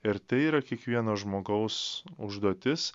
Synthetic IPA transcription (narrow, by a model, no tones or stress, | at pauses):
ɪɾt̪ʲɛɪiːɾɐkʲiɛkʋʲiɛnoːʒmoːɡɐʊsʊʒd̪uɔt̪ʲɪs